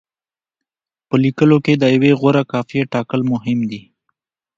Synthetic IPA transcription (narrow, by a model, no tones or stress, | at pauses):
pəlikəloked̪əjaweɣoɾakɑfijeʈɑkəlmʊɦɪmd̪i